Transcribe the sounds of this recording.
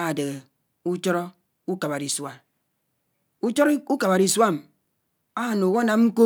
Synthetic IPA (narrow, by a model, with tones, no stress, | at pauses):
a˨de˨ɣe˨ | u˦t͡ʃɔ˦ɾɔ˦ | u˦ka˨ba˨ɾi˨swa˨ | u˦t͡ʃɔ˦ɾu˦ka˨ba˨ɾi˨swa˦˨m˨ | a˦˨no˨wo˦na˨˦m̩˦ko˦